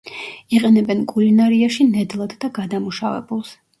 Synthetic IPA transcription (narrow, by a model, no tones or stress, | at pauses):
iqʼɛnɛbɛnkʼulinaɾiaʃinɛd̪lˠad̪d̪aɡad̪amuʃavɛ̰bulˠs